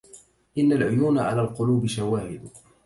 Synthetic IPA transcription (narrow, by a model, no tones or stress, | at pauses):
ʔɪnːalʕʊjuːnaʕa̰laːlqʊluːbɪʃawaːhɪd̪